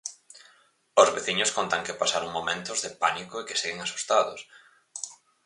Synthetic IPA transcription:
ozβeθiɲʊskont̪aŋkɪpasaɾoŋmomẽnt̪ʊzðɪpanikʊekɪ̥seɣeŋasu̥st̪aðʊs

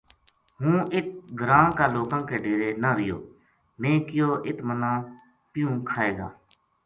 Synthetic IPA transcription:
ɦũːʔɪt̪̚ɡɾãːkaːloːkãːkeːɖeːɾeːnãːɾɪjo̰ː | mẽːkɪjoːʔɪt̪mənãː | pɪjũːkʰaːeːɡa̰ː

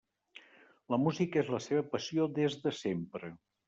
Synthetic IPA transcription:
ləmuzikezləseβəpəsiod̪ezðəsempɾə

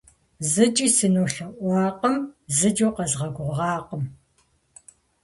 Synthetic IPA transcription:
zɨt͡ʃʼiːsɨnoːɬɐʔʷɑːqəmzɨd͡ʒoːqɐzʁɐɡʷʊʁɑːqəm

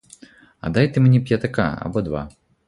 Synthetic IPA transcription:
a̰d̪ajt̪ɨmnʲɛpʲjat̪aka̰a̰bɔd̪va̰

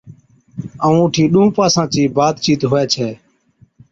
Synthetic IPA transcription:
əũːʊʈʰiːɗũːpaːsãːt͡ʃiːbaːd̪t͡ʃiːt̪ɦoːɛːt͡ʃʰɛː

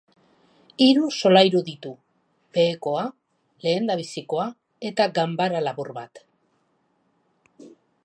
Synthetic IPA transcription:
iɾuso̞lajɾuðit̪u | be̞ːko̞a | le̞ːnd̪aβisiko̞a | e̞t̪aɡambaɾalaβurβat̪

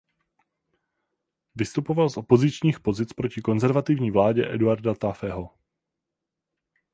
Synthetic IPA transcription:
vɪst̪upo̞valsʔo̞po̞zɪt͡ʃɲiːxpo̞zɪt͡spɾo̞cɪko̞nzɛɾvat̪ɪvɲiːvlaːɟɛʔɛduaɾdat̪afɛɦo̞

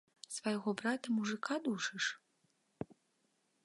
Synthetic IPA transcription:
svajɣɔbɾat̪ɐmuʐɨkʰad̪uʂɨʂ

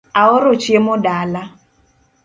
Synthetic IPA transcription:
aɔɾʊt͡ʃemʊdala

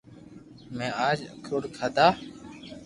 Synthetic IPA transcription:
mẽːaːd͡ʒəkʰoːɽkʰaːd̪aː

